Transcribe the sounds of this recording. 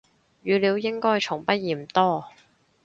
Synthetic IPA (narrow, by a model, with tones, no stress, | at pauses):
ɥyː˨˧liː˨˧wjɪ˥ŋkɔː˥jt͡ʃʰʊ˨˩ŋpɐ˥t̚jiː˨˩m̩˨˩t̪ɔː˥